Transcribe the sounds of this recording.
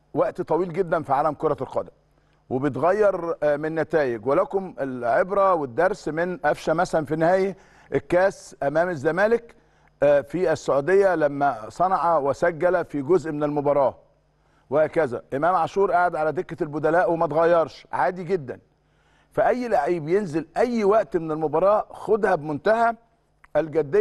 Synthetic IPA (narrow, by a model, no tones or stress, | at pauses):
wæʔt̪t̪ˤɑwiːlɡed̪ːænfiʕaːlæmkoɾˤɑlqɑ̰d̪æm | webejt̪ɣæjːɑɾˤmenːæt̪æːjeɡwelækomelʕebɾæwed̪ːɑɾˤsmenʔæfʃæmæsælænfinːɪhæːjæ | ʔekːæːsʔæmæːmæzːæmæːlɪk | fiæsːoʕuːd̪ejːælæmːæsˤɑnɑʕɑwesæɡːælæfiɡozʔmenelmobɑɾˤɑː | wɪhæːkæzæ̰ʔemæːmʕɑʃuːɾˤʔaʕad̪ʕalæd̪ekːælbʊd̪ælæːʔwemæt̪ɣæjːɑɾˤʃʕaːd̪iɡed̪ːæ̰n | fæʔæjːlaʕiːbjenzelʔæjːwæʔt̪menelmobɑɾˤɑːxod̪hæbemont̪æhæ | ʔælɡæd̪ːe